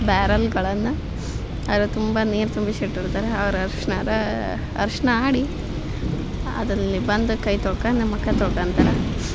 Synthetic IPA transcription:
baːɾɐlɡɐɭɐnːu | ɐʋɐɾɐt̪umbɐneːɾt̪umbɐʃiʈːiɾt̪aːɾeɐʋɐɾɐɐɾʂnɐɾɐ | ɐ̰ɾʂnɐaːɽi | ɐ̰d̪ɐlːibɐnd̪ukɐjt̪oːkɐnimːɐkːɐt̪oːɽkɐnt̪aɾɐ

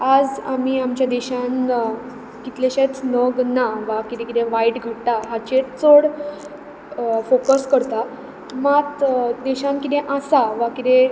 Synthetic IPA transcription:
ad͡zamiːamt͡ɕjad̪ɛɕãn | kit̪leɕet͡snəɡnaʋakit̪ẽkit̪ẽʋaiʈɡʱəɽt̪aɦat͡ɕet͡soɽ | fokəskəɾt̪a | mat̪d̪ɛɕãnkit̪ẽʔasaʋakit̪ẽ

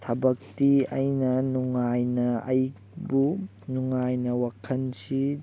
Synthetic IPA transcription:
tʰɐbɐk̚tiɐjnɐnuŋajnɐɐj | bu | nuŋajnɐwakʰɐnsi

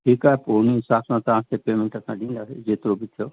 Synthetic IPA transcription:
ʈʰikaponisapʰnãt̪aãst̪epemẽɳʈat̪ãɖĩnd̪ad͡ʒet̪ɾobit̪ʰːjo

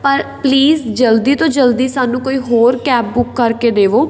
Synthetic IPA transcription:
pəɾpliːzd͡ʒəld̪iːt̪õːd͡ʒəld̪iːsaːnũːkoːiːɦoːɾkɛːp̚bʊkːəɾkeːd̪eːʋoː

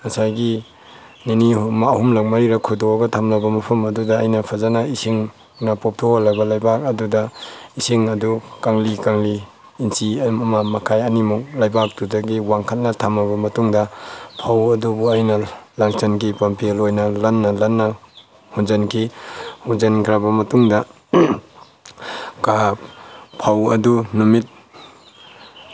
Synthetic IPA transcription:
ɐsajɡi | ninimahumlak̚maɾiɾɐkʰudɔaɡɐtʰamlabɐmɐpʰɐmɐdudɐːjnɐpʰazanaisiŋ | nɐpɔp̚tʰoholːabɐlajbak̚ɐdudɐisiŋɐdukaŋlikaŋliː | nsimɐmamakʰajanimuk̚lajbak̚tudaɡiwaŋkʰat̚nɐtʰamabɐmɐtuŋdɐpʰawɐdubuajnalaŋsankipampʰilojnɐlanːɐlanːa | hunzankʰihunzankʰɾabɐmɐtuŋdɐ | kappʰawɐ̰dunumit̚

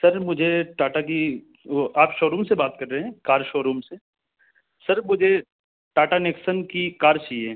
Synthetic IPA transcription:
sɐɾmʊd͡ʒʱeʈaːʈaki | ʔaːpʃoːɾuːmsebaːt̪kɐɾːeɦɛ̃kaːɾʃoːɾuːmse | sɐɾmʊd͡ʒʱe | ʈaːʈaneːksənkikaːɾt͡ʃaːiẽ

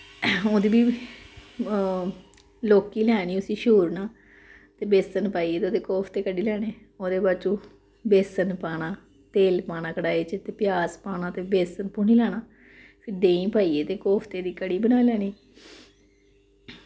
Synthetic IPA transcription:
õːd̪iːbiː | loːkiːlɛːniːʊsiːʃuːɾnaː | t̪eːbeːsənpaːiːeːt̪eoːd̪eːkɔːpʰt̪eːkəɖiːlɛːneː | oːd̪eːbat͡ʃũː | beːsənpaːnaː | t̪eːlpaːnãːkəɽaːeːt͡ʃət̪eːpɪjaːspaːnãːt̪eːbeːsənpʊniːlɛːñaː | pʰɪɾd̪ẽːĩːpaːiːeːt̪eːkɔːpʰt̪eːd̪iːkəɽiːbənaːlɛːniː

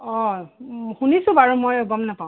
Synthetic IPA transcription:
ɔ | hunisʊ̃baɹumojɔɡɔmnapaw̃

